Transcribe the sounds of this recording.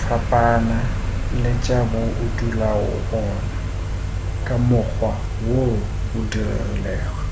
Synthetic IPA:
fapʼanalɪt͡ʃʼabʊʔʊdulaɔ̰ʔɔːna | kʼamʊk͡xʰwa | wo | ʊdirɛ̰rɛ̰lɛːɣɔ

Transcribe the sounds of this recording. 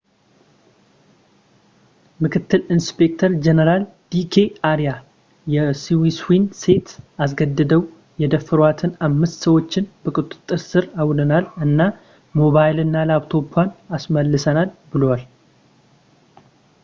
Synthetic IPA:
mɨkʰɨt̪ʰːɨlinspʰe̞k̚t̪ʰəɾd͡ʒenəɾal | d̪̥ikʰeaɾija | jɛsiwiswinse̞t̪as̬ɡəd̪ːɨd̪əw | jɛd̪əfːɨɾwat̪ʰɨnamːɨst̪səwo̞t͡ʃːɪnbəkʼut̪ʼɨ̥t̪ʼːɨɾsɨɾawd̪ənalɨnːa | mo̞βajlɨnːalaβt̪ʰo̞pʰwanasməlːɨsənalbɨlowal

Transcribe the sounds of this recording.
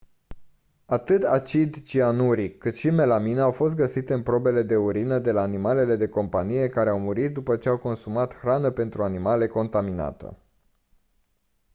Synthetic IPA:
at̪ɨt̪a̰t͡ʃid̪t͡ʃianuɾikːɨt̪ʃime̞lamineawfo̞st̪̚ɡəsit̪e̞ɨnpɾo̞be̞le̞d̪e̞uɾinəd̪e̞laːnimale̞le̞d̪e̞ko̞mpanije̞kaɾe̞awmuɾit̪̚d̪upət͡ʃe̞awko̞nsumat̪xɾanəpe̞nt̪ɾuanimale̞ko̞nt̪amina̰t̪ə̰

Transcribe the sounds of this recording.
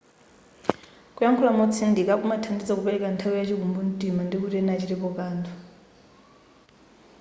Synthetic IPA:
kujaŋkʰulamɔt͡sʰindikakumatʰandid͡zakupɛɾɛkantʰawujat͡ʃikumbun̩tʼimandikutɛnat͡ʃiɾipɔkaːnd̪ʰɔ

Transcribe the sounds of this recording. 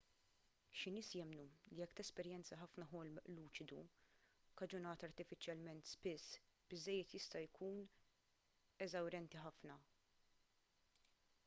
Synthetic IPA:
ʃɪnɪːsjɛmnulijɛkːt̪ɛspɛɾjɛnt͡sɐħɐfnɐɦɔlmluːt͡ʃɪd̪u | kɐd͡ʒʊnɐːt̪ɐɾt̪ɪfɪt͡ʃjɐlmɛnt̪spɪsːb̥ɪzːɛjːɛt̪jɪst̪ɐjkʰuːn | ɛzɐwɾɛnt̪iħɐfnɐ

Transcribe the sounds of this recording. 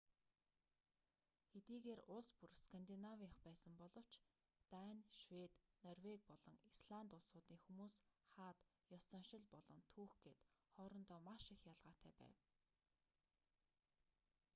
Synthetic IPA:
xet̪iːɣeːrʊɮspurskʰant̪inawiχpæːsə̆mpɔɮɞ̆w̥t͡ɕ | t̪anʃwet̪nɔrwek̚pɔɮɞ̆ŋisɮant̪ʊɮsʊːt̪iːŋxumuːsχaːt̪ | jɔsə̆ŋʃɪ̆ɮpɔɮɞ̆ŋt̪ʰuːxɡet̪χɔːɾɞ̆nt̪ɔːmaʃĭxjaɮʁaːt̪ʰæːpæ̰ːw

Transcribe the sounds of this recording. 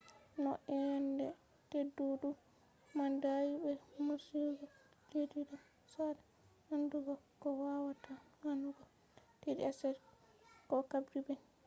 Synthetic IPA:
nɔ̰ʔɛjandɛ | tedːuɗu | mandajibɛmaɾsiɡɔ | ledida | sada | handuɡɔkɔwawatahanduɡɔ | tedḭasɛɾ | kɔkabdibɛ

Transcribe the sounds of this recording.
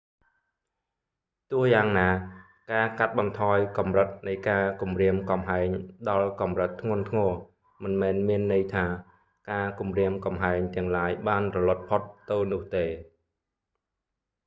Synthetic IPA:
t̪ʊəhjaːŋnaː | kaːkat̪̚ɓɑnt̪ʰɑːjkɑmrət̪̚nɨjkaːkumriəmkɑmɦaɛŋɗɑlkɑmrət̪ʰːŋʊ̆ənt̪ʰŋɔə | mɨnmɛːnmiənːɨjt̪ʰaː | kaːkumriəmkɑmɦaɛŋt̪ɛ̆əŋlaːjɓaːnrɔlŏət̪̚pʰot̪ːɨwnʊ̆əht̪eː

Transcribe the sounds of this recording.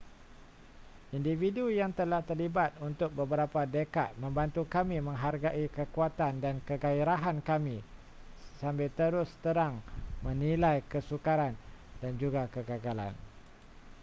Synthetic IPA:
individujaŋt̪əlaht̪ərlibat̪̚unt̪ʊk̚bəbəɾapadəka̰t̪̚mə̃mbant̪ukamĩmə̃ŋɦarɡaʔikəkuat̪andankəɡaiɾaɦankamĩ | sambɪlt̪əɾʊst̪əɾaŋmə̃nĩlajkəsukaɾandand͡ʒuɡakəɡaɡala̰n

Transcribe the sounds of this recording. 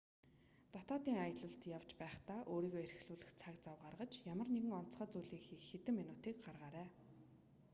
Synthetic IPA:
t̪ɔt̪ɔːt̪iːŋajə̆ɮə̆ɬt̪jaw̥t͡ɕpæːχt̪aːʔoːɾiːɣɔːer̆xɮuːɮɘ̆xt͡sʰakt͡sawɢarʁə̆t͡ɕjamə̆rneɣɘ̆ŋɔnt̪sχaːt͡sujɮiːkxiːxet̪ɘ̆mːinʊːt̪iːkɢarʁaːɾæː

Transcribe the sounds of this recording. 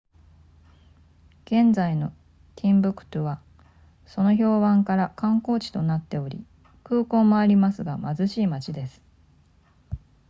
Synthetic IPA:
ɡ̥ẽ̞nzaino̞ | t̪ʲʰĩmbɯ̟kɯ̟̥t̪oβa | so̞no̞ço̞ːβãŋkaɾakãŋko̞ːt͡ɕi̥t̪o̞nat̪ːe̞o̞ɾʲḭ | kɯ̟ːko̞ːmːo̞aɾʲimasɨɡamazɨɕiːmat͡ɕid̪e̞sɨ̥

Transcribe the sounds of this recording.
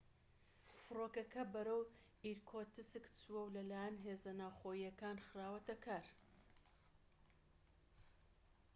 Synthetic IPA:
fɨroːkɐkɐbɐɾɐw | iɾkʰot̪ɨsɨkt͡sʰuɛwlɐlaːjɐnɦeːzɐnaːwxoːjijɐkaːnxɨɾaːwɐt̪ɐkʰaːɾ

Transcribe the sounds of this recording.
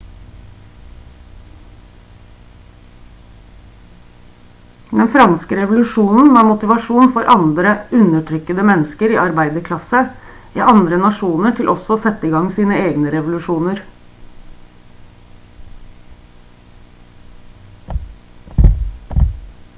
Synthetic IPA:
d̪ɛnfɾɑnskəɾɛʋʊlʉʂuːnn̩ʋɑːɾmʊt̪ɪʋɑʂuːnfɔɾʔɑnd̪ɾəʉnəʈʰɾʏkəd̪əmɛnəskəɾiːɑɾbæɪd̪əkʰlɑsə | ʔḭːʔɑnd̪ɾənɑʂuːnəʈʰɪlʔɔsɔoːsɛt̪ːəiːɡɑŋsiːnəeːɡnəɾɛʋʊlʉʂuːnəɾ

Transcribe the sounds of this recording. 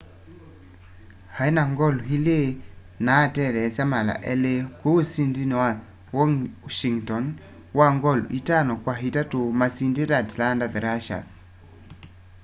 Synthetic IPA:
hainaŋɡɔlɦile | natɛðɛsjamala̰ʔɛlekoosindinewa | wɔŋʃiŋtɔn | waŋɡɔl̰ʔitanɔkwaɦitatomasindetatlandaðɾaʃa̰s

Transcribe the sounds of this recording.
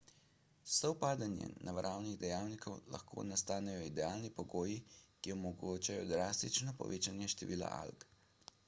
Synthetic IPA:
sɔwpaːd̪anjɛ̰nʔaʋɾʔaːwniɣd̪ɛjaːwnikɔwla̰xkʰo̰nast̪aːnɛjɔid̪ɛaːlnipɔɡoːjikiɔmɔɡoːt͡ʃajɔd̪ɾaːst̪it͡ʃnɔpɔ̰ʋeːt͡ʃanjɛʃt̪ɛʋiːla̰ʔa̰lk

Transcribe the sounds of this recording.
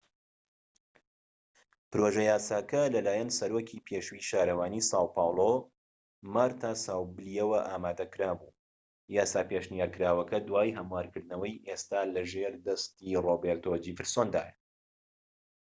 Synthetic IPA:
pɨɾoʒɛjaːsaːkʰɐlɐlaːjɐnsɐɾoːkʰiːpʰeːʃwiʃaːɾɐwaːniːsɑːwpɑːwlˠo | maɾt̪ʰaːsaːwbɨlijɛwɐʔaːmaːd̪ɐkɨɾaːbuː | jaːsaːpeʃnjaːɾkɨɾaːwɐkɐd̪waːjɦɐmuaːɾkɨɾd̪nɐwɐjʔest̪aːlɐʒeɾd̪ɐst̪irobeːɾt̪ʰoːd͡ʒivɨɾsoːnd̪a̰ːjɐ

